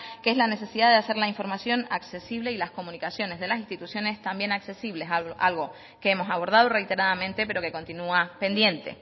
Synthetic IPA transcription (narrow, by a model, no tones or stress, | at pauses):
keeslane̞s̬e̞siðaðease̞ɾlaiɱfo̞ɾmasjo̞nakse̞siβleilasko̞mũnikasjo̞ne̞zðe̞las̬inst̪it̪usjo̞ne̞st̪ambje̞nakse̞siβle̞sʔa̰lɣo̞ | keemo̞saβ̞o̞ɾð̞að̞o̞re̞jt̪e̞ɾaðamẽ̞nt̪e̞pe̞ɾo̞ke̞ko̞nt̪inuape̞nd̪je̞nt̪e̞̰